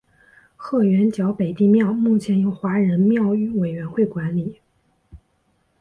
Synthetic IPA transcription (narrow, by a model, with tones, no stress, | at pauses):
xɤ˥˩ɥɛ˧˥nt͡ɕjɑ˧˥ʊpe˨˩ɪt̪i˥˧mjɑ˥˩ʊmu˥˩t͡ɕʰjɛ˧˥njo˨˧˩ʊxwa˧˥ɻə˧˥nmjɑ˥˧ʊy˧˥we˨˩ɪɥɛ˧˥nxwe˥˩ɪkwa˧˥nli˨˩˦